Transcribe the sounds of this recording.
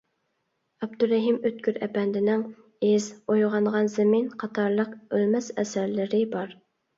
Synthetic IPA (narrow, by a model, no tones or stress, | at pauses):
ɛb̚d̪uɾɛɦimøt̪̚kʲʰyɾɛ̰pɛnd̪ɪnɪŋ | ezojʁɑɴʁɑnzɪminqʰɑt̪ʰɑɾlˠəqølmɛsɛ̰sæɾlɪɾɪbɑɾ